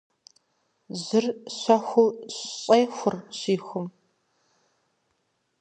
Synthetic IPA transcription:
zɨrɕʷɐxʷʊɕɕʼejxʷʊrɕiːxʷʊm

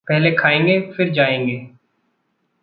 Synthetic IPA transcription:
pɛɦlekʰaːẽːŋɡeːfɪɾd͡ʒaːẽːŋɡeː

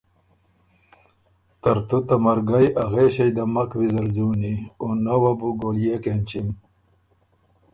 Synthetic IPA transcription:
t̪ɐɾt̪ut̪amɐɾɡajaɣeɕɐjd̪amɐkwizɐɾzuːnionawabuɡoljekent͡ɕim

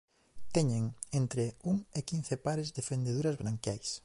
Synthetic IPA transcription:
t̪ɛɲeŋent̪ɾɪuŋekin̟θɪpaɾɪzd̪efend̪eðuɾazβɾaŋkjajs

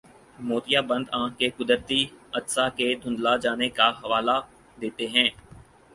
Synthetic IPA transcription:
moːt̪ijabɐ̃nd̪ãːkekʊd̪əɾt̪iɐt̪saked̪ʱʊ̃nd̪lad͡ʒaːnekaɦɐʋaːla | d̪eːt̪eɦɛ̃ː

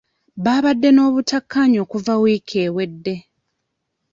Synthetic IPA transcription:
βaːβadːe̞no̞ːβutakʰːaɲo̞ːkuvawiːkʰe̞ːwe̞dːe̞

